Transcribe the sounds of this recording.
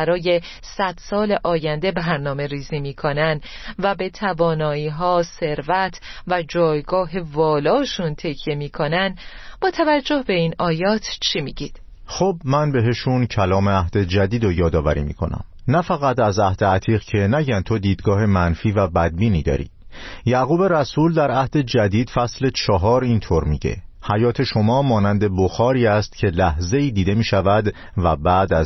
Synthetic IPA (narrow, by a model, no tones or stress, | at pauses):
ɾɒːje̞ | sæd̪̥sɒːleʔɒːjænd̪e̞bæɾnɒːme̞ɾiːziːmiːkʰonænd̪ | væbe̞t̪ʰævɒːnɒːiːɦɒːse̞ɾvæt̪ʰvæd͡ʒɒːjɡɒːɦevɒːlɒːʃunt̪ʰecʰje̞miːkʰonænb̥ɒːt̪ʰævæd͡ʒːo̞hbe̞inɒːjɒːt̪ʰt͡ʃʰimiːɟiːd̪̥ | xobmænbe̞ɦeʃuncʰælɒːmeæhd̪̥ed͡ʒæd̪iːd̪ojɒːd̪ɒːvæɾḭːmḭkʰo̞̰næ̰m | næfæɣæt̪ʰæzæhd̪eæt̪ʰiːʁcʰe̞næɟænt̪ʰo̞d̪iːd̪ɡɒːɦemænfiːvæbæd̪̚biːniːd̪ɒ̰ːɾḭːjæɣuːbe̞ɾæsuːld̪æɾæhd̪e̞d͡ʒæd̪iːd̪̥fæsle̞t͡ʃʰɒɦɒːɾint̪ʰoɾmiɟe̞̰hæjɒːt̪ʰe̞ʃo̞mɒːmɒːnænd̪e̞boxɒːɾiːæst̪cʰe̞læhze̞iːd̪iːd̪e̞miːʃævæd̪ | væbæːd̪æz